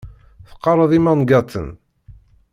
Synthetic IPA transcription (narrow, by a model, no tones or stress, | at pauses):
θə̥qːɑɾˤəðˤimænɡɑt̪ːə̰n